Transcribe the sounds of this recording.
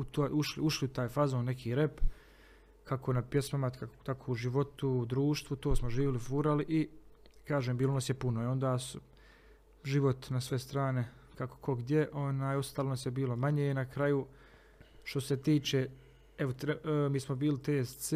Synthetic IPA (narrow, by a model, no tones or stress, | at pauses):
ut̪oːjuʃliuʃliut̪aːjfazoːnːe̞kʰiːɾep | kʰakonapjesmomaat̪akʰouʒiʋo̞t̪ud̪ɾuːʃt̪ʋut̪oːsmoʒiːʋilifuɾaliʔikaːʒeːmbiːlonasjepunojo̞nd̪aːsu | ʒiʋo̞t̪nasʋe̞st̪ɾaːne̞ | kako̥kʰo̞ɡd̪ʲje̞ʔo̞naːjo̞st̪aːlonasjebiːlo̞maɲeːinakɾaju | ʃt̪o̞se̞t̪iːt͡ʃeː | eʋot̪ɾmiːsmobiːlit̪eːsse